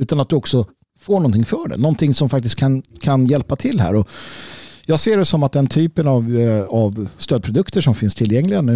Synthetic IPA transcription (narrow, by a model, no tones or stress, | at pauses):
ʉ̟ːt̪anat̪̚d̪ɵɔksɔ | foːɳɔnt̪ʰɪŋfœːɖɛ̰nɔnt̪ʰɪŋsɔmfakt̪ɪst̪̚kʰankʰanjɛlpat̪ʰɪlːɦæ̰ːɾɔ | jɑːɡseːɖɛsɔmat̪̚d̪ɛnt̪ʰyːpənavavst̪øːd̪̚pɾʊd̪ɵkt̪əʂɔmfɪnst̪ʰɪlːjɛŋːlɪɡanʉ